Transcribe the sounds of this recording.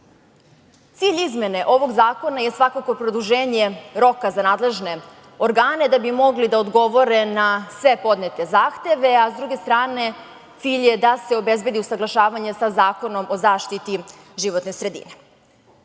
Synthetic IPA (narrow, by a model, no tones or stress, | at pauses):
t̪siːʎizme̞ne̞ʔo̞ʋo̞ɡzaːko̞naje̞sʋakako̞pɾo̞d̪uʒeːɲe̞ɾo̞kazanaːd̪le̞ʒne̞ | o̞ɾɡaːne̞d̪abimo̞ɡlid̪aod̪ɡo̞ʋo̞ɾe̞nasʋe̞po̞d̪net̪e̞zaːxt̪e̞ʋe̞azd̪ɾuɡe̞st̪ɾaːne̞ | t̪siːʎje̞d̪ase̞o̞be̞zbe̞d̪iusaɡlˠaʃaːʋaɲesazaːko̞no̞mʔo̞zaːʃt̪it̪i | ʒiʋot̪nesɾe̞d̪ḭne